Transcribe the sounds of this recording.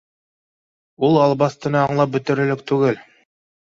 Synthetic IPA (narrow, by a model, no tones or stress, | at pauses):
ulˠɑlˠbɑst̪ɤ̆nɤɑɴlˠɑp̚bɵ̆t̪ɵ̆ɾɘ̆lɘk̚t̪ʉɡɘl